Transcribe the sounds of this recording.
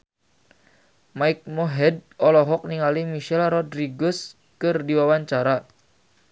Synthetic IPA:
maik̚mɔɦɛd̚ɔlɔɦɔk̚niŋalimiʃɛlrɔdɾiɡɔs | kɨrdiwawaɲt͡ʃaɾa

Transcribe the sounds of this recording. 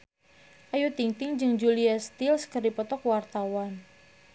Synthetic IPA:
ʔajut̪iŋt̪ɪŋd͡ʒɨŋd͡ʒuliast̪ɪlskərdipɔt̪ɔkwart̪awan

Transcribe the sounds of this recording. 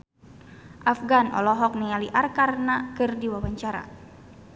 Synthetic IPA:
ʔafɡanʔɔ̰lɔɦɔk̚nɛaliʔarkarnakɨrdiwawaɲt͡ʃaɾa̰

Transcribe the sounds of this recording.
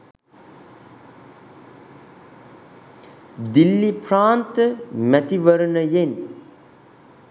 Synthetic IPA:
d̪ilːipɾaːnt̪əmæt̪iʋəɾənəjen

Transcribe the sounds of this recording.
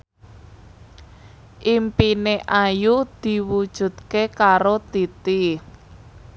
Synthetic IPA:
ʔimpineʔajud̪̥i̤wud̥ʒ̥ṳd̪̚kekaɾot̪it̪i

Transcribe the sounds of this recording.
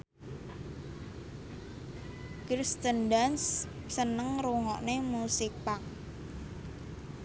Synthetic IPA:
kɾist̪əndanssənəŋɾuŋɔʔnemusik̚paŋ

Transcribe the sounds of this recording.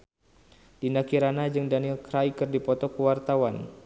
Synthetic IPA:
d̥inakiɾanad͡ʒɨŋdanilkɾaikɨrdipɔt̪ɔkəwart̪awan

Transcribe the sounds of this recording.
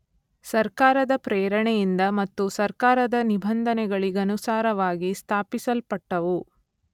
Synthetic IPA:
sɐɾkaːɾɐd̪ɐpɾɛːɾɐɳɛjind̪ɐmɐt̪ːusɐɾkaːɾɐd̪ɐnibʱɐnd̪ʱɐnɛɡɐɭiɡɐnusaːɾɐʋaːɡist̪ʰaːpisɐlpɐʈːɐʋu

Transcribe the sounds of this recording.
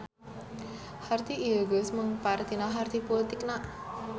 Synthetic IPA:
hart̪iʔːoɡʊsməŋpaɾt̪inaɦart̪ʰipolit̪ɪknaʔ

